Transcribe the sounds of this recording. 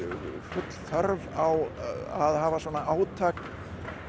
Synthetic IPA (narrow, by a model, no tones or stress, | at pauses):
fʏt̪l̥θœɾvawaðhaːvasvɔːnaaːwt̪ʰaːk